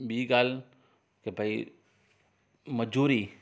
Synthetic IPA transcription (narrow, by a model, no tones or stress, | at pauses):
biːɡaːl | kebʱai | mɐd͡ʒuːɾiː